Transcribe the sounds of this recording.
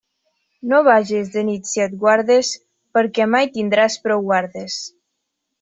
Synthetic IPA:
noβaʒezðenit̪sjat̪̚ɡwaɾðes | pəɾkɛmajt̪ind̪ɾaspɾɔwɣwaɾðes

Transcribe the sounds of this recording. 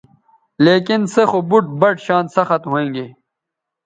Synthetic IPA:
leːkɪnsexobuʈ̚bɐʈɕaːnsɐxɐt̪ɦoẽːŋɡeː

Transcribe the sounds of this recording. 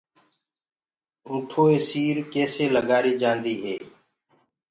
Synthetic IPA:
ʊ̃ːʈʰoːeːsiːɾkeːseːləɡaːɾiːd͡ʒãːnd̪iːɦḛː

